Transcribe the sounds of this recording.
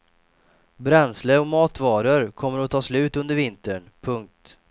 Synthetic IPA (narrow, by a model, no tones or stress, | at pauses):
bɾɛnsləɾɔmɑːt̪vɑːɾəɾkʰɔmːəɾɔt̪ʰɑːslʉ̟ːt̪ɵnd̪əɾvɪnt̪əɳ | pʰɵŋk̚t̪